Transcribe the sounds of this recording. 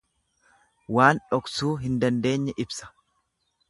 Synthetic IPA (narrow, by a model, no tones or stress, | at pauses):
waːnᶑɔksuːɦɪnd̪ɐnd̪e̞ːɲːɛʔɪbsɐ̥